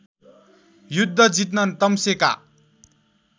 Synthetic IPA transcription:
jud̪ʱːʌd͡zit̪nʌnt̪ʌmseka̰

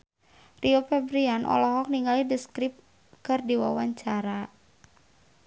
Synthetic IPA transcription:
riopɛbɾianʔɔ̰lɔɦɔk̚niŋalidəskɾip̚ | kɨrdiwa̰waɲt͡ʃaɾa

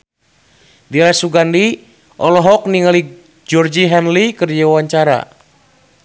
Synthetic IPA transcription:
dilasuɡandi | ʔɔlɔɦɔk̚niŋali | d͡ʒɔrd͡ʒiɦɛnlikərd͡ʒaawaɲt͡ʃaɾa̰

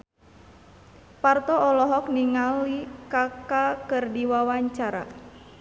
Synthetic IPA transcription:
part̪ɔɔlɔɦɔk̚niŋalikakakɨrdiwawaɲt͡ʃaɾa̰

